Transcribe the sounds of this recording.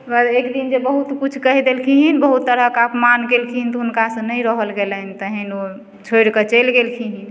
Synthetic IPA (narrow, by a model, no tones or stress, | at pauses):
bəɾekd̪ind͡ʒebəɦut̪kut͡ʃʰkəɦid̪elkʰiɦinbəɦut̪ːəɾəkəpmankelkʰiɦint̪unkasə̃nəjɾəɦəlɡeləɦnt̪əɦino | t͡ʃʰojɾkət͡ʃelɡelkʰiɦin